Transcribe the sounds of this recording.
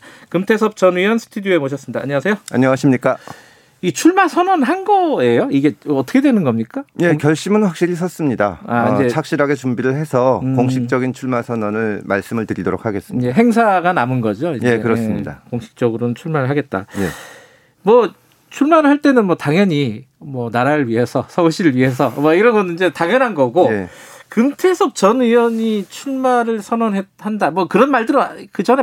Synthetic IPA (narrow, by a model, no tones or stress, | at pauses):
kɯmtʰe̞sʰʌp̚t͡ɕʌnijʌnsʰɯ̥tʰudjie̞moɕ̬ʰʌs͈ɯmɲida̰ːɲʌas̬ʰe̞joaɲʌŋaɕʰimɲik͈a | it͡ɕʰuɭmasʰʌnʌnɦanɡʌe̞joiɡe̞ʌt͈ʌkʰe̞dwe̞nɯnɡʌmɲik͈aje̞kjʌɭɕ͈imɯnɸwak̚ɕ͈iɾisʰʌs͈ɯmɲida̰aind͡ʑe̞t͡ɕʰak̚ɕ͈iɾaɡe̞t͡ɕumbiɾɯɭɦe̞sʰʌkoŋɕʰit͡ɕ͈ʌɡint͡ɕʰuɭmasʰʌnʌnɯɭmaɭs͈ɯmɯɭtɯɾidoɾo̰k̚ʰaɡe̞s͈ɯe̞ɦe̞ŋsʰaɡanamɯnɡʌd͡ʑoijekɯɾʌs͈ɯmɲḭda̰koŋɕʰi̥k̚t͡ɕ͈ʌɡɯɾonɯnt͡ɕʰuɭmaɾɯɭɦaɡe̞t̚t͈a̰jḛ | mwʌ | t͡ɕʰuɭmaɾɯɭhaɭt͈e̞nɯnmwʌtaŋjʌɲi | mwʌnaɾaɾɯɭɥiɦe̞sʰʌsʰʌuɕʰiɾɯɭɥiɦe̞s̬ʰʌmʌiɾʌnɡʌnind͡ʑe̞taŋjʌnɦanɡʌɡoekɯmtʰe̞sʰʌp̚t͡ɕʌnijʌɲit͡ɕʰuɭmaɾɯɭsʰʌnʌnɦet̚handamwʌkɯɾʌnmaɭdɯɾʌkɯd͡ʑʌne